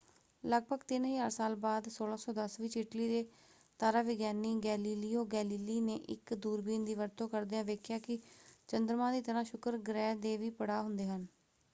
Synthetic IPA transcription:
ləɡ̚bʱəɡt̪ɪnɦiaːɾsaːlbaːd̪soːlãːsɔːd̪əsʋiːt͡ʃɪʈliːd̪eː | t̪aːɾaːʋɪɡjaːniːɡɛːliːliːoːɡɛːliːliːneːʔɪ̰kd̪uːɾbiːnd̪iːʋəɾt̪õːkəɾd̪eːãːʋeːkʰjaːkɪt͡ʃənd̪ɾmãːd̪iːt̪əɾãːʃʊkəɾɡɾɛːd̪eːʋiːpəɽaːɦʊnd̪eːɦən

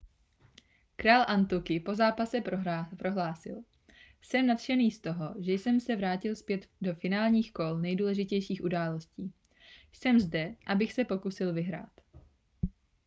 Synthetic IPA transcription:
kɾaːlʔant̪ukɪpo̞zaːpasɛpɾoɦlaːsɪ̰l | sɛmnat̪ʃɛniːst̪o̞ɦo̞ʒɛjsɛmsɛvɾaːcɪlspjɛt̪do̞fɪnaːlɲiːxkolnɛjduːlɛʒɪcɛjʃiːxʔudaːlo̞sciː | jsɛmzdɛʔabɪxsɛpo̞kusɪlvɪɦɾa̰ːt̪

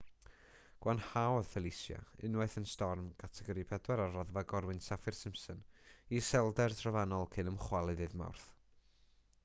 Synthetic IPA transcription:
ɡ̥wanhawðfɛlˠɪsja̰ɪnwaθənstɔrmkʰatʰɛɡɔɾɨpʰɛdwɛɾarɔðvaɡɔɾwɨnsafɪrsɪmsənisɛlˠdɛrtʰrɔvanɔlˠkʰɨnəmχwalˠɨðɨðma̰wrθ

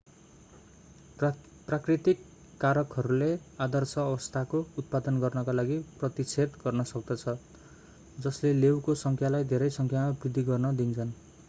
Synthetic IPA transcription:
prakrit̪ikː | aɾʌkɦʌɾulead̪ʌrsʌːbʌst̪ʰakout̪̚pad̪ʌnɡʌrnʌkalaɡiprʌt̪it͡sʰet̪ɡʌrnʌsʌk̚d̪ʌt͡sʰʌ | d͡zʌslelewkosʌŋkʰjalajd̪ʱeɾʌjsʌŋkʰjamabrid̪ʱːiɡʌrnʌd̪int͡sʰʌn

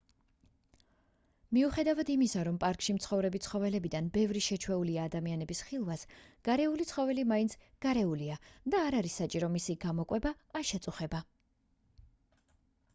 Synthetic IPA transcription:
miuχɛd̪avad̪imisaɾɔmpʼaɾkʼʃimt̪sʰχɔvɾɛbit̪sʰχɔvɛlɛbid̪anbɛvɾiʃɛt͡ʃʰwɛuliaːd̪amianɛbisχilˠvasɡ̥aɾɛulit̪sʰχɔvɛlimaint̪sʰ | ɡ̥aɾɛuliad̪aːɾaɾisːat͡ʃʼiɾɔmisiɡamɔkʼwɛbaːʃɛt̪sʼuχɛba

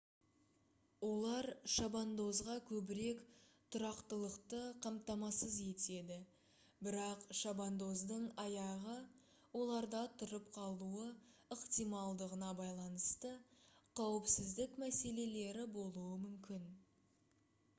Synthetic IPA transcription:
wo̞lˠɑɾʃɑbɑnd̪o̞zʁɑkʲʰɵbɪɾe̞kt̪ʰʊɾɑqt̪əlˠəqt̪əqʰɑmt̪ɑmɑsəze̞t̪e̞d̪ɪ | bɪɾɑqʃɑbɑnd̪o̞zd̪əɴɑjɑʁə | wo̞lˠɑɾd̪ɑt̪ʰʊɾəp̚qʰɑlˠuəəqt̪ijmɑlˠd̪əʁənɑbɑjlˠɑnəst̪əqʰɑwəpsɪzd̪ɪkmæse̞le̞le̞ɾɪbo̞lˠuəmʏmkʲɪn

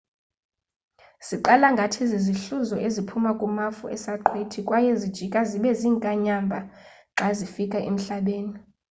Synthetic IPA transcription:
siǃalaŋɡʱatʰiziziɬuzɔʔezipʰumakʼumafuʔɛsaǃʰwetʰikʼwajɛzid̥ʒ̥ʱikʼaziɓɛziːŋkʼaɲambʱa | ŋ͡ǁʱazifikʼaʔem̩ɬaɓeːni

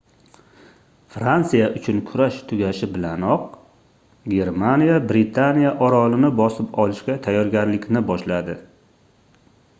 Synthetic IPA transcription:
fɾant̪sijaʔʊt͡ʃʰʊnkʰʊɾaʃt̪ʰʊɡʲaʃɪbɪlanɒq̚ | ɡʲe̞ɾmanijabɾɪt̪ʰanijaʔɒɾɒlɪnɪbɒsɪpɒlɪʃkʲat̪ʰajːɒɾɡʲaɾlɪkʲnɪbɒʃlad̪ɪ

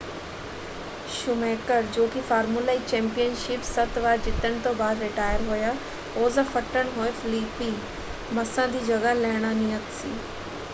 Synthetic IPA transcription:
ʃʊmeːkəɾd͡ʑoːkifaːɾmulait͡ɕɛ̃ːmpijənʃɪpsɐt̪ʋaːɾd͡ʑɪt̪əɽ̃t̪oːbaːd̪ɾɪʈaːjəɾɦuja | oːzəfɐʈəɽ̃ɦoːefliːpiː | mɐsãːd̪iːd͡ʑɐɡalɐɦɪɽ̃anijət̪sḭː

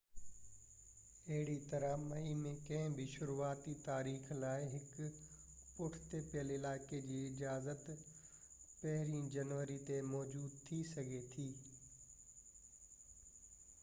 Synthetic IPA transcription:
ɐɦɪɽit̪ɐɾəmɐimẽkɐ̃ɦɪ̃bʱiʃʊɾuaːt̪it̪aːɾiːxlaːɪɦɪk | pʊʈʰt̪epɪjəlɪlaːɪked͡ʑiːɪd͡ʑaːzət̪ | pɐɦɪɾĩːd͡ʑɐnʋəɾit̪emɔːd͡ʑuːd̪̚t̪ʰisɐɡʱet̪ʰiː

